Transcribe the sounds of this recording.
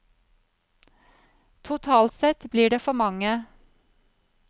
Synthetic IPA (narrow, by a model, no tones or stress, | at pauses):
t̪ʰʊt̪ʰɑːlt̪sɛt̪bliːɖeːfɔmɑŋə